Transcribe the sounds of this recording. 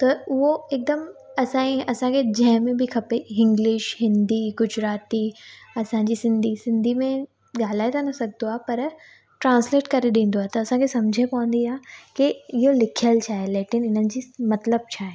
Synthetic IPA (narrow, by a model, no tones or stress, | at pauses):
t̪ɐʊɦoeːk̚d̪əmɐsãːĩɐsãkʰed͡ʑɐ̃ɦɪ̃mẽbɪkʰɐpeɦɪ̃ŋɡlɪʃɦɪ̃nd̪iɡʊd͡ʑʱɾaːt̪iɐsãɲd͡ʑisɪ̃nd̪ʱisɪ̃nd̪ʱimẽ | ɠaːl̤aːet̪ʰanɐsɐɡʱnoaːɦpɐɾ | ʈɾãːnsleːʈkɐɾeɗĩːn̆d̪oaːɦet̪ɐɐsãkʰesɐmd͡ʑʱepɐʋə̃nd̪iãːkiɪɦolɪkʰijəlt͡ɕʰaːɦeleːʈɪnɪnənɪ̆d͡ʑiːmɐt̪ləb̚t͡ɕʰaːɦe